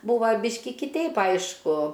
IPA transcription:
ˈbuːʋɐ ˈbʲiːʃʲkʲɪ kʲɪˈtʲɛɪp ˈɐɪʃkʊ

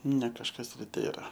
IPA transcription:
nʲɛ kɐʃˈkɐs ɪr ˈtʲeːrɐ

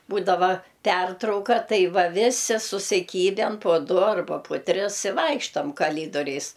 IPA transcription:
ˈbuːdɐʋɐ ˈpʲɛrtrɐʊkɐ ˈtɐɪ ˈʋɐ ˈʋʲɪsʲɪ sʊsʲɪˈkʲiːbʲɛn poː ˈdʊ ɐrˈbɐ pʊ ˈtʲrʲɪs ɪ ˈʋɐɪkʃtɐm kɐˈlʲiːdoːrʲɛɪs

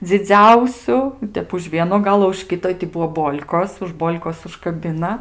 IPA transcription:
d͡zʲɪˈd͡zʲɛʊsʲʊ ɪ ˈtʲɛp ʊʃ ˈʋʲiɛnoː ˈɡɑːlˠoː ʊʃ ˈkʲɪtoː ɪ tʲɪ ˈbuɔ ˈboːlʲkoːs ʊʃ ˈboːlʲkoːs ʊʃkɐˈbʲɪnɐ

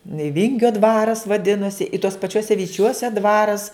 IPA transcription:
ɪ ˈʋʲɪŋʲɡʲoː ˈdʋɑːrɐs ʋɐˈdʲɪnoːsʲɪ ɪ tuɔs pɐˈt͡ʃʲuɔsʲɛ ʋʲɪˈt͡ʃʲuɔsʲɛ ˈdʋɑːrɐs

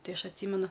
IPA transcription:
ˈtɐɪ ˈɐʃ ɐtʲˈsʲiːmʲɛnʊ

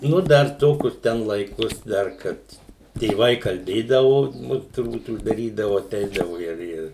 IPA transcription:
ˈnʊ ˈdɐr ˈtoː kʊr ˈtʲɛn ˈlˠɐɪkoːs ˈdɐr ˈkɐt tʲeːˈʋɐɪ kɐlʲˈbʲeːdɐʋoː ˈnʊ tʊrˈbuːt ʊʒdɐˈrʲiːdɐʋoː ɐˈtʲɛɪdɐʋoː ˈɪr ˈɪr

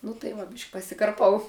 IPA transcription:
nʊ tɐɪ ˈʋɐ ˈbʲɪʃʲkʲ pɐsʲɪkɐrˈpɐʊ

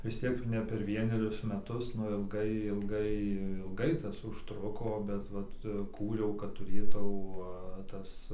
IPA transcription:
ʋʲɪs ˈtʲiɛk jɛʊ nʲɛ pʲɛr ˈʋʲiɛnʲɛrʲʊs ˈmʲæːtʊs ˈnʊ ɪlˠˈɡɐɪ ɪlˠˈɡɐɪ ɪlˠˈɡɐɪ ˈtɐs ʊʃˈtrʊkoː bʲɛt ˈʋɐt ˈkuːrʲɛʊ kɐt tʊˈrʲeːtɐʊ ˈtɐs

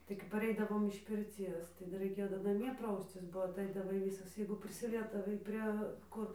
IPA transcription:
tɐɪ kɐp pɐˈrʲɛɪdɐʋoːm ɪʃ pʲɪrʲˈt͡sʲiɛs ˈdɐr rɐɪˈkʲeːjoː dɐr nɐˈmʲiɛ ˈprɐʊsʲt͡sʲɪs boː ɐtˈɐɪdɐʋɐɪ ˈʋʲiːsɐs jɛɪɡʊ pʲrʲɪsʲɪˈlʲiɛzdɐʋɐɪ ˈpʲrʲiɛ ˈkʊr

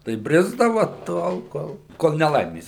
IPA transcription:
tɐɪ ˈbʲrʲɪzdɐʋɐ ˈtoːlˠ ˈkoːlˠ ˈkoːlˠ nʲɛˈlˠɐɪmʲeːs

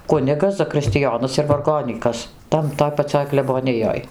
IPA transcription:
ˈkʊnʲɪɡɐs zɐkrʲɪsʲtʲɪˈjoːnɐs ɪr ʋɐrˈɡoːnʲiːkɐs ˈtɐn ˈtoːj pɐˈt͡sʲoːj klʲɛboːˈnʲɪjoːj

